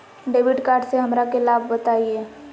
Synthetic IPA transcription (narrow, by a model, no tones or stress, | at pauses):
ɖeːʋɪɖkaːɾɖseɦɐmɾakelaːb̚ʱbət̪aːieː